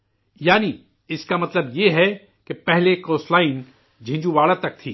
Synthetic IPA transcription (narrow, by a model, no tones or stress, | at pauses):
jaːni | ɪskamɐt̪ləbjeɦɛ | kepɛɦlekoːslaːɪn | d͡ʒʱɪ̃ːd͡ʒũʋaːlat̪ɐk̚t̪ʰiː